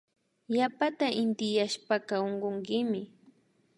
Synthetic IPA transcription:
japat̪aʔɪnt̪ɪjaʃpakaoɴɢoŋkɪmɪ

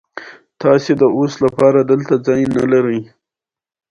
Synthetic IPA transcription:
t̪ɑsed̪əʔoslapɑɾad̪əlt̪ad͡zɑjna̰laɾəj

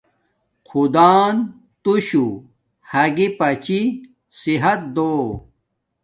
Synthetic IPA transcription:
qʰud̪aːn | t̪uɕu | hɐɡipɐt͡ɕi | siɦɐt̪̚d̪oː

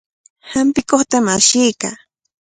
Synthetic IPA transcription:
hampɪkoχt̪amaʃijka

